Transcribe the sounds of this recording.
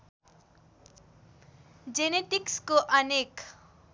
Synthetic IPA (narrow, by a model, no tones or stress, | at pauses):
d͡zeneʈikskoʔʌnek